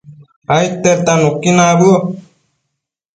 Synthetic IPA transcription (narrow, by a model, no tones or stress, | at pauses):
ajt̪ːeɾt̪anukːinaːbɯo